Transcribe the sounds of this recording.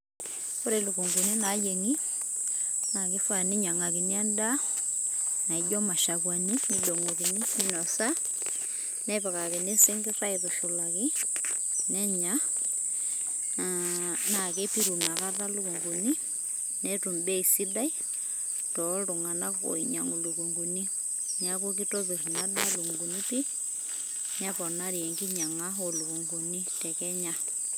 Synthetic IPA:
ko˦ɾe˨lu˨ku˨ŋɡu˨ni˦na˨˦je˨ŋi˦ | na˨ke˦fwa˦˨ne˦ɲa˨ŋa˨ki˨ni˦a˦nda˦ | na˨i˨d͡ʒɔ˦ma˨ʃa˨kwa˨ni˦ni˦do˨ŋo˨ke˨ni˦ni˦nɔ˨sa˦ | nɛ˦pa˨ka˨ke˨ne˦se˦ŋɡe˦sa˦iðo˨ʃu˨la˨ke˦ | nɛ˦ɲa˦ | na˨ke˦pi˦ɾu˨na˨ka˦ða˦lu˦ku˨ŋɡu˨ni˦ | nɛtu˨mbɛ˦i˨si˦da˦i˦ | tɔɾu˨ŋa˨na˦o̰˨i˨ɲa̰˨ŋo˨luku˨ŋɡu˨ni˦ | ɲaku˦ki˦tɔ˦βiɾu˨na˦da˦lu˨ŋɡu˨ni˦pi˦ | ɲa˦pɔ˨naɾjɛ˨ŋɡi˦ɲa˨ŋa˦o˨lu˨ku˨ŋɡu˨ni˦tɛ˨kɛ˦ɲa˦

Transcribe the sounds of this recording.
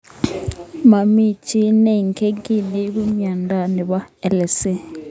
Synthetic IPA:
ma˨mi˦t͡ʃi˦ne˦i˨ŋkʰe˦ki˦˨li˦βu˦mja˨nda˨nɛ˨βa˦ɛ˦˨lɛ˨se˦

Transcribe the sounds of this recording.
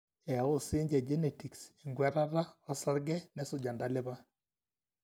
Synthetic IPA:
ɛ˨a˨o˦sɪ˦ɲd͡ʒɛ˨d͡ʒe˦ne˨ti˨kse˨ŋɡwɛ˦ɾa˦ɾa˦ɔ˦sa˦ɾɡɛ˦nɛ˨˦so˨d͡ʒa˨nda˨˦le˦βa˦

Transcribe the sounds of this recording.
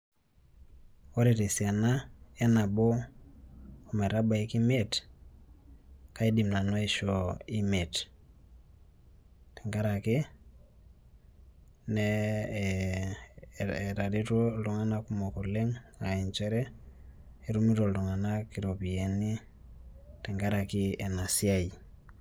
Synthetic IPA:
o˦ɾi˨ɾe˨sia˨na˦e˦na˨bɔ˦ | o˨me˨ɾa˦ba˨i˦ki˦me˦t | ka˦i˦di˨mna˨nɔ˦i˦ʃɔ˨i˦me˨t | ti˨ŋɡa˦ɾa˨kɪ˦ | nɛ | ɾa˨di˦to˦ldu˨ŋa˦na˦ku˦mo˨ku˨le˦ŋa˨i˨nt͡ʃɛ˦ɾɛ˦ | e˦ɾu˦mi˦ɾo˨ldu˨ŋa˨na˦ki˨ɾo˨pi˨e˨ni˦ | tɛ˨ŋɡa˦ɾa˨ki˦ɛ˨na˨si˦a˦i˨

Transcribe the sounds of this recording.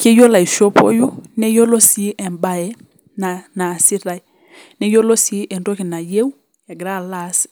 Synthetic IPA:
ke˦jo˦la˨i˨ʃo˦po̰˦ju˦nɛ˦jo˦lo˦si˦ʔɛ˨mba˦jɛ˦ | na˨na˨si˦ɾa˨i˨ | nɛ˦jo˦lo˦si˦ʔɛ˨ndo˦ki˨na˨je˦u˦ | ja˨ɡɾa˦˨la˦s

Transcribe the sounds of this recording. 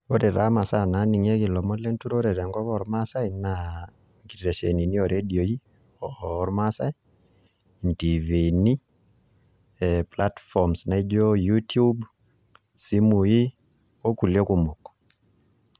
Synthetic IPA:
o˦ɾe˨ɾa̰˨˦ma˨sa˦na˨˦ni˨ŋɛ˦ɣi˨lɔ˨mɔ˦lɛ˦ntu˦ɾo˦ɾe˨ɾɛ˨ŋɡɔ˦βɔ˨ɾma˦sa˦ina | ŋɡi˨ɾe˨ʃɛ˨ni˨ni˦ɔ˨ɾʔe˦di˨o˨i˦ | ɔɾma˦sa˦i˨ | nti˨ve˨ni˦ | pla˦tfɔmsna˨i˦d͡ʒo˦ju˦tu˦b | si˦mu˨ji˦ | wo˦ku˨lje˦ku˨mo˨kɔ̥

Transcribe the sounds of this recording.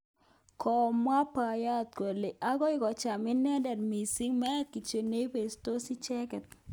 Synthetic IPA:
kʰɔ˨mwa˦pa˨ja˦˨t̪̚kwo˨le˨ʔa˦ɡɔ˦ɪ˦kɔ˨t͡ʃa˨mɪ˦nɛ˦dɛ˨ɾmi˨si˦ŋmɛ˦ki˨t͡ʃe˨ne˦pe˨sto˦si˦t͡ʃɛ˦kɛ˨t̪̚

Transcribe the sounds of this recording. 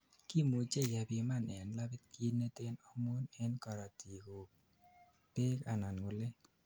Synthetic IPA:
ki˦mu˨t͡ʃe˦˨ja˨bi˧ma˦˨nɛ˨nla˦bɪ˦t̪̚ki˦nːe˦t̪e˦nɔ˦mo˦nɛ˦nka˨ɾa˨ti˨ko˨ | pe˦ka˨na˨nŋʊ˨le˦

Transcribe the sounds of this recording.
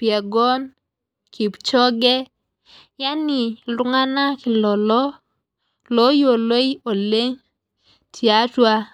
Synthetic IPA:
pja˨ɡɔ˦n | ki˨pt͡ʃɔ˦ɡɛ˦ | ja˦nɪ˨lʊ˦ŋa˦na˦kɪ˨lɔ˨lɔ˦ | lo˦jo˨lo˦i˦o˨le˦ɲ | tʰja˦twa˦

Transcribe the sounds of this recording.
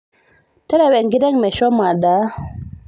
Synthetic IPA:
te˦le˨we˨ŋɡi˦ɾe˦ŋmɛ˨ʃo˦ma˨da˨˦

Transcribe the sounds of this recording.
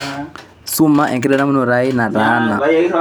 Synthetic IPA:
su˦ma˦ʔɛ˨ŋki˦ɾɛ˦na˦mu˦nɔ˨ɾai˦na˨daː˦na˨

